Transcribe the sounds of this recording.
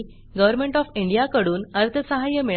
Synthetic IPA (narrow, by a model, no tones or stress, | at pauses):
ɡəʋəɾmeɳʈɔfiɳɖijakəɽuːnəɾt̪ʰəsəɦajəmiɭ